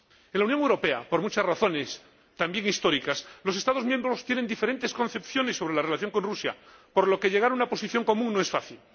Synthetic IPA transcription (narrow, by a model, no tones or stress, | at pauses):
enlaunjoŋewɾo̞pe̞a̰po̞ɾmut͡ʃazraθo̞ne̞s | t̪ambje̞ŋist̪o̞ɾikaslo̞se̞st̪aðo̞zmjembɾo̞st̪jenend̪ifeɾe̞nt̪esko̞nθe̞pθjo̞ne̞sːo̞βɾe̞lare̞laθjoŋkõ̞nrusja̰po̞ɾlo̞ke̞ʎe̞ɣaɾaunapo̞siθjo̞ŋko̞mũŋnoe̞sfaθil